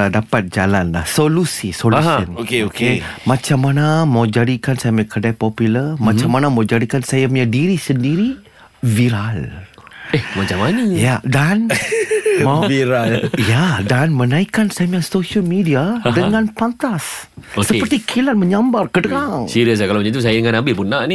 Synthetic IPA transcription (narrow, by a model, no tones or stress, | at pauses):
dapat̪̚d͡ʒalanla̰hsolusisolɦsənokeokmãt͡ʃamːanamawd͡ʒadikansajamjãkʰərdapɔpuləmãt͡ʃamanamawd͡ʒadikansajamjadiɾisəndiɾi | viɾal | ehmat͡ʃamanajadan | maiɾaljadanmənãikansajmjasoʃəlmidiadəŋãnpant̪asoksəpərt̪ikʰilat̪̚məɲambarkədəɾaŋsiɾiəs̬akaloməɲit̪us̬ajadəŋãnabɪpunːaʔni